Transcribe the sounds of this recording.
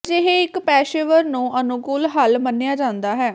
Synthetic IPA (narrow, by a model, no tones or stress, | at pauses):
d͡ʒeɦeɪkpɛːʃeːʋəɾnũːʔənʊkʊːlɦəlmənːejaːd͡ʒãːnd̪aːɦɛː